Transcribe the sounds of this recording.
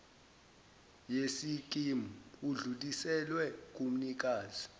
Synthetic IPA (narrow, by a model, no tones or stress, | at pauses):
jesik̬ʼimuuɮulisɛlwɛk̬ʼum̩nik̬ʼaːzi